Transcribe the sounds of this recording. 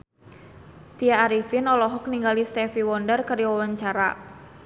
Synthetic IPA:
t̪iaːɾifinɔlɔɦɔk̚niŋɡalist̪ɛfiwɔndərkaɾiwawaɲt͡ʃaɾa̰

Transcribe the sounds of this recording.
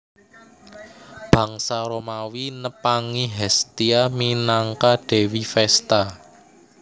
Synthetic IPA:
b̥ä̤ŋsaɾomawinəpaŋiɦɛst̪iaminaŋkaɖ̥e̤wifɛst̪a

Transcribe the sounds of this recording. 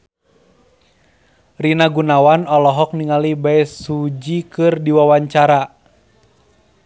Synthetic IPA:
rinaɡunawanɔlɔɦɔk̚niŋalibaɛsud͡ʒikɨrdiwawaɲt͡ʃaɾa

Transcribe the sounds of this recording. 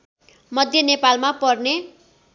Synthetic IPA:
mʌd̪ʱjʌnepalmapʌrne

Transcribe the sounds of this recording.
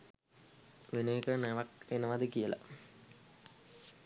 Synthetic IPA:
ʋeneːkənɛʋakenəʋad̪əkijəla̰

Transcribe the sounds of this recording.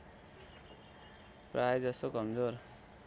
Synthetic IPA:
prajd͡zʌst̪okʌmd͡zoɾ

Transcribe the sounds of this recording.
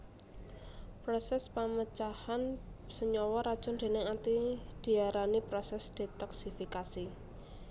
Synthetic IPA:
pɾɔsɛspamət͡ʃahansəɲɔwɔɾad̥ʒ̥ɔ̤nd̪̥e̤nɪŋat̪id̪̥i̤aɾanipɾɔsɛsd̪̥it̪ɔksifikasi

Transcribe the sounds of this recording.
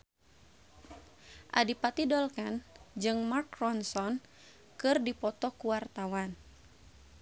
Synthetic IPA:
ʔadipat̪idɔlkand͡ʒɨŋmarkrɔnsɔn | kɨrdipɔt̪ɔkuwart̪awan

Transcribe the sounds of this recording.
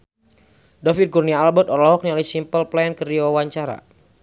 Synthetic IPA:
dafit̪̚kurniaːlbɔt̪ɔrlɔɦɔk̚nialisimpəlplankəriwawaɲt͡ʃaɾa̰

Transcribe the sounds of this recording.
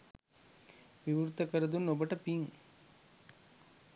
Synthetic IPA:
ʋiʋuɾt̪ɐkəɾɐd̪unːobɐʈɐpiŋ

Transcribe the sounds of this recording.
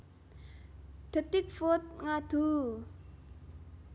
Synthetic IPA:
d̪̥ə̤t̪ɪk̚fot̪̚ŋad̪̥u

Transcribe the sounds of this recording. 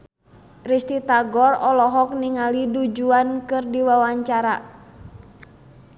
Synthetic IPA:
rist̪it̪aɡɔrɔlɔɦɔk̚niŋalidud͡ʒuankɨrdiwawaɲt͡ʃaɾa

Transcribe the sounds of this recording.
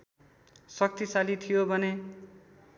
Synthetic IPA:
sʌk̚t̪isalit̪ʰijobʱʌne

